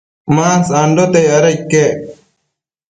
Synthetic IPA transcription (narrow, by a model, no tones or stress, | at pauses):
mãːnsãːɳɖot̪ejɐɾɐkːe